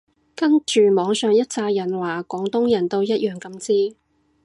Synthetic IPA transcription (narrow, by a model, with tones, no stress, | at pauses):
kɐ˥ŋt͡ʃyː˨mɔː˨˧ŋsœː˨ŋjɐ˥t̚t͡saː˧jjɐ˨˩nwaː˨˩kɔː˨˥ŋt̪ʊ˥ŋjɐ˨˩nt̪o˧wjɐ˥t̚jœː˨˩ŋkɐ˧mt͡siː˥